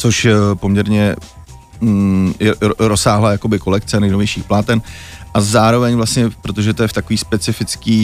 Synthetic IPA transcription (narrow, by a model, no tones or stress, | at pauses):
t͡so̞ʃpo̞mɲɛɾɲɛ | ɛɾosaːɦlajakobɪko̞lɛkt͡sɛnɛjnovjɛjʃiːxplaːt̪ɛnʔazaːɾo̞vɛɲvlast̪ɲɛpɾot̪oʒɛt̪ojɛft̪ako̞viːspɛt͡sɪfɪt͡skiː